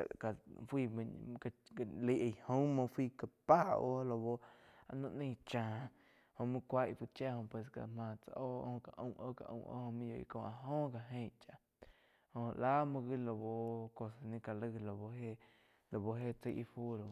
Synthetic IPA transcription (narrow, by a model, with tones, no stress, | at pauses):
ka˨fwiː˧˨˧ka˧˨li˧˦ʔe˧˨hõ˦ŋmõ˧fwiː˧ka˧pa˦o˦˧lo˧βo˧a˧nũ˧ʔnĩ˦˧t͡ʃãː˧˨ | hõ˧˨mũ˦kʷa˦ʔfu˧t͡ʃa˦hõ˧˨pwe˧s̬ka̰˧mãː˧t͡sa̰˧ʔo˦˧hõ˧˨ka˨ʔṵ̃˧˦ʔo̰˦ka̰˨ʔṵ̃˧˨ʔo̰˦hõ˧mĩ˦jo˧ʔḭ˧kõ˧˨a˧ɦõ˦ka˨ɦẽ˧˨t͡ʃa˧˨ | hõ˧la˦mũ˧ɣi˦lo˧bo˧ko˧sa˧nĩ˧ka˨lɨ˧lo˧bo˧he˦ | lo˨bo˧ɦe˦t͡se˧jʔḭ˧fu˦lo˧˨